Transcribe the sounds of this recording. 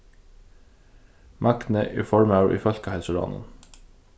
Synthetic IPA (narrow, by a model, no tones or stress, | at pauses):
mʔɑkt̪nəʔiːfɔɹmɑʉʔḭːfœlkɑhɛlsəɹɑ̰ːnə̰n